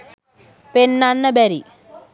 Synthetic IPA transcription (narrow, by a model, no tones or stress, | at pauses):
penːanːɐbɛɾi